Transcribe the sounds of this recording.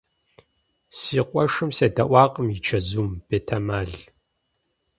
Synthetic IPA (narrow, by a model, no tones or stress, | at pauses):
siːqʷʼɔʂɨmsɐdɐʔʷɑːqʼəmjit͡ʃʰɐzuːmb̥eːtʰɐmaːɮ